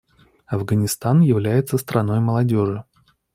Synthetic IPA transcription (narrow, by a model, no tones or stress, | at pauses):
ɐvɡənʲɪst̪anjɪvlʲæjɪt̪səst̪ɾʔɐno̞jməlˠɐdʲoʐɨ